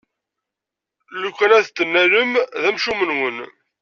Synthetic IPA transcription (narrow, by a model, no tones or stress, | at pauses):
lukʷːænæθt̪ːənːæləmðæmʃumənwən